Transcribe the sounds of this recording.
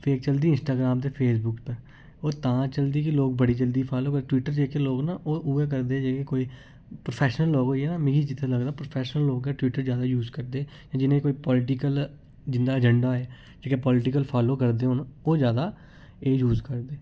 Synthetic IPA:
pʰeːk̚t͡ʃəld̪iːɪnsʈaːɡɾaːmd̪eːpʰeːsbʊkpəɾ | oːt̪ãːt͡ʃəld̪iːk̬ɪloːk̚bəɽiːd͡ʒəld̪iːpʰaːloːkəʈʋiːʈəɾd͡ʒeːkeːloːɡnaːʔoːʔuːeːk̬əɾd̪eːd͡ʒeːkekoːiː | pɾopʰɛːʃnəlːoːɡoːiɛːnaːmɪ̃ɡiːd͡ʒɪt̪ʰeːləɡd̪aːpɾoːpʰɛːʃnəlːoːɡɛːʈwiːʈəɾd͡ʒjaːd̪aːjuːzkəɾd̪eː | jãːd͡ʒɪnẽːkoːiːpɔːlɪʈɪkəl | d͡ʒɪnd̪aːəd͡ʒɛɳɖaːɛː | d͡ʒeːkepɔːlɪʈɪk̬əlpʰaːloːkəɾd̪eːɦʊnoːd͡ʒjaːd̪aː | eːjuːzkəɾd̪eː

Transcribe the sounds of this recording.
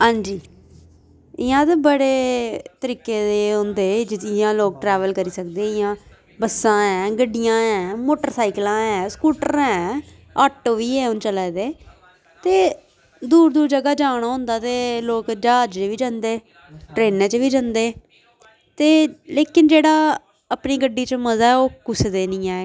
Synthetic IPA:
ɦãːɲd͡ʒiː | ɪjãːt̪ebəɽeːt̪əɾiːkːeːd̪eːɦʊ̃nd̪eːd͡ʒɪt̪ɪãːloːk̚ʈɾɛːʋəlkəɾiːsək̚d̪eːɪjãː | bəsːãːɛ̃ːɡəɖɪjãːɛ̃ːmoːʈəɾsaːɪklãːɛ̃ːskuːʈəɾɛ̃ː | aːʈːoːʋiːɛ̃ːʊnt͡ʃəlɛːd̪eː | t̪eː | d̪uːɾd̪uːɾd͡ʒəɡaːd͡ʒaːɽ̃aːɦʊ̃ːnd̪aːt̪eːloːkd͡ʒaːd͡ʒd͡ʒʋiːd͡ʒãːnd̪eː | ʈɾeːnɛ̃ːt͡ʃʋiːd͡ʒãnd̪eː | t̪eːleːkɪnd͡ʒeːɽaː | əpniːɡəɖːiːt͡ʃməzaːɛːoːkʊsd̪eːnĩːɛː

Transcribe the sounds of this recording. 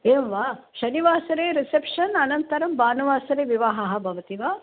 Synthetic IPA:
eːmʋaːʃɐniʋaːsɐɾeːɾisepʂɐnɐnɐnt̪ɐɾɐmbaːnɐʋaːsɐɾeːʋiʋaːɦɐɦɐ̆bʱɐʋɐt̪iʋaː

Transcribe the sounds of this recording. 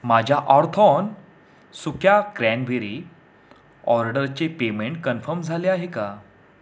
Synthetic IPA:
mad͡ʑʱjaʔaɾt̪ʰɔn | sukʰjakɾænʋeɾi | ɔɾɖəɾt͡sepemeɳʈ̚kənfəɾmd͡zʱaleaɦeka

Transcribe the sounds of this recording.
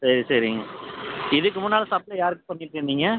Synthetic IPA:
sɐɾisɐɾɪŋɡɐɪðɯkːɯmʊnːaːlɐsaːp̚ɪlɐjaːɾɯkːɯ̥pɐɳːɪʈːɪnːiːŋɡɐ

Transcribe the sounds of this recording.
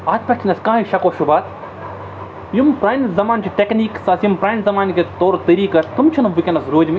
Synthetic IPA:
aːt̪pɐʈʰinɐskãːiʃɐkoːʃubaːt̪ | jumpɾaːnzɐmaːnt͡ʃʰiʈekniːksɐsjimpɾaːnzɐmaːnket̪oːɾt̪ɐɾiːkɐt̪umt͡ʃʰɐnɐʋikʲɐnɐsɾoːd͡ʒm

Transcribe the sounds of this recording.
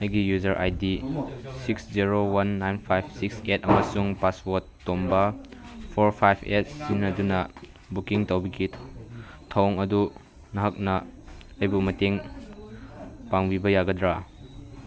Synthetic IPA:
ɐjɡijuzɐɾʔa̰jdisiksziɾowanːajnpʰajbʰsiksetɐmɐsuŋpaswɔtːombɐpʰoɾpʰajbʰet̚sinnɐdunɐ | bukiŋtawbɐɡi | tʰowŋɐdu | nɐɦɐk̚nɐɐjbumɐteŋ | paŋbibɐjaɡɐdɾa

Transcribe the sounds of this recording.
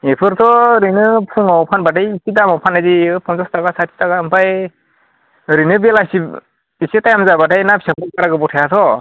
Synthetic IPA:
epʰɯɾt̪ʰɔɾɯjnɯpʰuŋawpʰanbatajːsidamawpʰanazipʰɔnzɔstaɡasatʰi̥tʰaɡaɯmpaj | ɾɯnɯbelasi | isitajamzabatajnapsapʰɯkaɾaɡɯbɔtʰajatʰɔ

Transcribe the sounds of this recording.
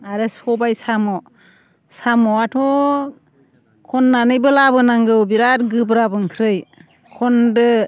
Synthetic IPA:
aɾɯsɔbajsamɔ | samɔatʰɔ | kʰɔnːanɯjbɯlabɯnaŋɡɯwbiɾatɡɯbɾabɯŋkʰɾɯj | kʰɔndɯ

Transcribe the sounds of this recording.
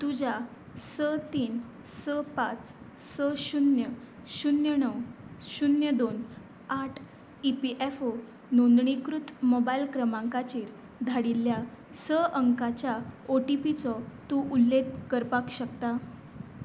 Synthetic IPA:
t̪ud͡ʑʱa | sət̪iːn | səpat͡s | səɕunjə | ɕunjənəwɕunjəd̪on | aʈʰ | ipiʔefo | nond̪ɳikɾut̪mobailkɾəmãŋkat͡ɕiːɾ | d̪ʱaɽilːja | səʔəŋkat͡ɕjaoʈipit͡sɔt̪uʔulːeɡkːəɾpakɕəkt̪a

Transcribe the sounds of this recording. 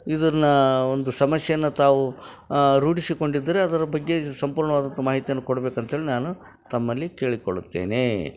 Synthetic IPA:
id̪ɐnːɐond̪usɐmɐsjɐjɐnːɐt̪aːʋu | ɾuːʈisiko̞ɳɖid̪ːɐɾeɐd̪ɐɾɐbɐɡːe̞sɐmpuːɾɳɐʋaːd̪ɐnt̪ɐmaːɦit̪ijɐnːukoɽɐbeːkɐnt̪ɐɦeːɭenaːnu | t̪ɐmːɐlːike̞ːɭiko̰ɽut̪ːe̞̰ːne

